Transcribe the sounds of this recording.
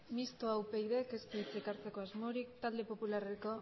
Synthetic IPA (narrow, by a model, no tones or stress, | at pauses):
mist̪oawpejðe̞ke̞sp̪eit͡sekaɾt͡se̞ko̞azmoɾikt̪ald̪e̞po̞pulareko̞